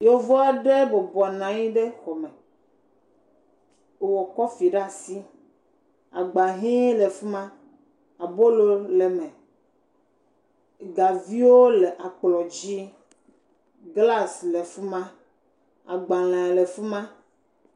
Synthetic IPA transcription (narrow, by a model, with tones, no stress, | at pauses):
jo˦vɔ˦a˦ɖe˦bɔ˨bɔ˨nã˨ɲĩ˦ɖe˦xɔ˨me˨ | wɔ˨kɔ˦fi˨ɖa˦˨si˦ | a˨ɡ͡ba˨ɦĩ˦le˨fu˦mã˦ | a˨bo˦lo˦le˨mɛ̃˨ | ɡa˨vi˦wo˦le˨ʔa˨k͡plɔ˨d͡ʑi˦ | ɡla˦sle˨fu˦mã˦ | a̰˨ɡ͡ba˨lã˨le˨fu˦mã˦